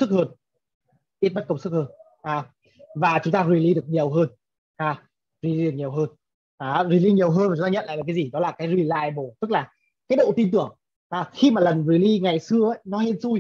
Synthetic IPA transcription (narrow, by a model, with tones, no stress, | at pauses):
sɨ˦˥k̚həː˧n | ʔi˦˥t̚mə˦˥t̚kə˧wŋ͡msɨ˦˥k̚həː˧n | ʔaː˨˩ | vaː˨˩t͡ɕʊ˨˦ŋ͡mt̪aː˧zwi˨˧˩li˧ɗɨ˨˩ək̚ɲi˨˩əwɦəː˧n | ʔaː˨˧˩ | zi˧˩li˧˨˩kɲi˨˩əwɦəː˧n | ʔːwi˨˩li˧ɲi˨˩əwɦəː˧nva˨˩t͡ɕʊ˦t̪aː˧ɲə̰˧˨la̰ː˧˨aː˨˩kaː˨˦zi˨˩ɗɔ˨˦laː˨˩kaː˨˦jzwi˧˩la̰ː˧˨jɓo˧˩t̪ɨ˦˥k̚laː˨˩ | kaː˨˦j̚ɗo̰˧˨t̪i˧nt̪ɨ˨˧˩əŋ | ʔaː˨˩xi˧maː˨˩lə˨˩nzi˨˩li˧ŋa˨˩jsɨ˧əʔə˨˧˦jnɔ˨˦he˧nsu˧j